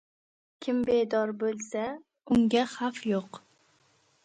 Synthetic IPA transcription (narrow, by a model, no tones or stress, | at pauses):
kʲʰɪmbed̪ɒɾbolˠsa | ʊŋɡʲaχafjoq